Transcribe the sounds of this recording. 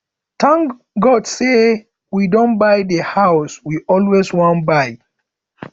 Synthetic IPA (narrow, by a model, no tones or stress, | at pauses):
tʰãŋ | ɡɔdse | widɔ̃nbajðəhaʊswiʔɔlweswɔ̃nbaɪ